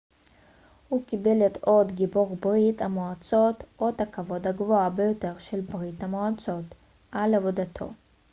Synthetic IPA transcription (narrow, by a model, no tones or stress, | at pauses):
hukibe̞leto̞dɡiboʁbʁithamoat͡so̞tʔo̞d̪hakavo̞d̪haɡvo̞abe̞jo̞te̞ʁʃe̞lbʁithamoat͡so̞t | ʔalavo̞d̪at̪ʰo̞̰